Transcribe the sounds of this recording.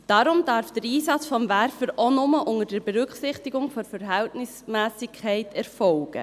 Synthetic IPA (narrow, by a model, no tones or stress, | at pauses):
d̥ɑɾʊmd̥ɑɾfd̥əɾiːsɑt͡sfɔmvæɾfəɾonʊməʔʊŋədəɾbɛɾʏkχsɪχtiɡʊŋfɔfəɾɦɛltnɪsmæːsɪkʰːɛɪtʰɛɾfɔlɡ̥ə̰